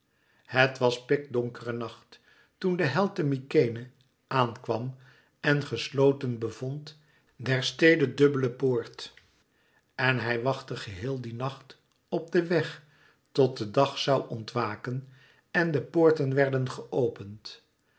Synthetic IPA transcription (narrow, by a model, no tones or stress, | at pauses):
hətʋɑspɪk̚dɔŋkərənɑχt | tundəɦɛlˠtəmikejnə | ʔaːnkʋɑm | ɛnχəslowtənbəvɔnt | dɛɹstejdədɵbələpoːɹt | ɛnɦɛjʋɑχtəχəɦɪːlˠdinɑχt | ɔb̚dəʋɛχ | tɔt̚dədɑχsɑwʔɔntʋaːkən | ɛndəpoːɹtənʋɛɹdənχəʔowpənt